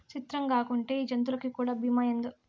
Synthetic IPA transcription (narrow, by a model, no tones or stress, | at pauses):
t͡ʃit̪ɾɐŋkaːkuɳʈe̞ːiːd͡ʒɐnt̪̬ulɐkikuːɽaːbimaːjɐnd̪u